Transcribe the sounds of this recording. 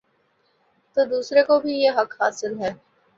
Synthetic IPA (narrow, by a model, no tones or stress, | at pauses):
t̪oːd̪uːsɾekobʱijeːɦɐkhaːsɪlɦɛː